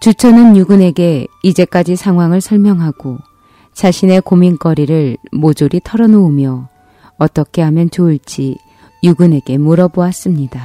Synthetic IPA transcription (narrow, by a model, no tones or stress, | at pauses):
t͡ɕut͡ɕʰʌnɯnjuɡune̞ɡe̞id͡ʑe̞k͈ad͡ʑisʰaŋɦwaŋɯɭsʰʌɭmjʌŋɦaɡ̥o | t͡ɕaɕʰine̞komink͈ʌɾiɾɯɭmod͡ʑoɾitʰʌɾʌnoumjʌ | ʌt͈ʌkʰe̞ɦamjʌnt͡ɕoiɭt͡ɕ͈i | juɡɯne̞ɡe̞muɾʌboas͈ɯmɲida